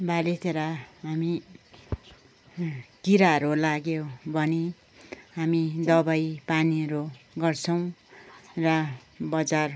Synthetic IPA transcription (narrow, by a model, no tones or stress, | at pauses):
balet̪ʰeɾaɦami | kiɾaʌɾolaɡjobʱʌni | ɦamid̪ʌbajpaniʌɾuɡʌrt͡sʰʌw̃ | rʌ | bʌd͡zar